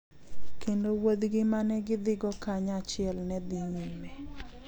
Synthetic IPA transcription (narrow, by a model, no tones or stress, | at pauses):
kendowod̪ɡɪmanɛɡɪd̪ɪɡɔkaɲat͡ʃɪɛlnɛd̪iɲime